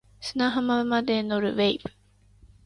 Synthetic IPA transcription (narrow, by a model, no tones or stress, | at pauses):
sɨ̥naɦamaɯmad̪eno̞ɾɯ̟̰βeibɯ̟̥